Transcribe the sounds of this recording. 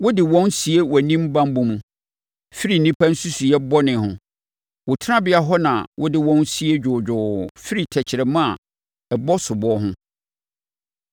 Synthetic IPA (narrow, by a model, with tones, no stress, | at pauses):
wʊ˦dɪ˨wɔ̃˦n˦si˨e˦wɔ˨nĩ˦m˦bã˦m˦bũ˨mũ˨ | fi˦ɾi˨n̩˨nĩ˦pʰa˦n̩˦su˦su˨jɛ˦bɔ˦nɪ̃˨hʊ̃˨ | wʊ˨tʰɪ˦ã˦bɪ˦a˦ɦɔ˦nã̰˨wʔʊ˦dɪ˦wɔ̃˦n˦si˦e˦d͡ʑᶣʊː˨d͡ʑᶣʊː˨fi˦ɾi˨tʰɛ˨t͡ɕʰɪ˨ɾɛ˨mã˦a˨ | ɛ˨bɔ˦sʊ˨bɔ˦ɦʊ̃˦